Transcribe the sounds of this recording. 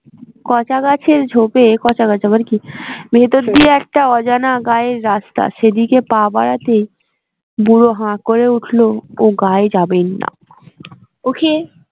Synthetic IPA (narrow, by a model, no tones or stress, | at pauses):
kɔt͡ɕaɡat͡ɕʰeɾd͡ʑʱopekɔt͡ɕaɡat͡ɕʰabaɾkibʱet̪od̪d̪ieɛk̚ʈaɔd͡ʑanaɡaeɾːast̪a̰ʃed̪ikepabaɾat̪ej | buɾoɦãkoɾeuʈʰlooɡaed͡ʑabenːa̰ | okʰe